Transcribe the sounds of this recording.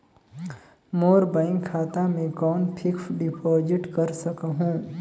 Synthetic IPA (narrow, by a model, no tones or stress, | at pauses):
moːɾbaːɪ̃ŋkʰːaːt̪amẽkɔːnpʰɪksɖɪpʰɔːd͡ʒɪʈkəɾsəkɦũː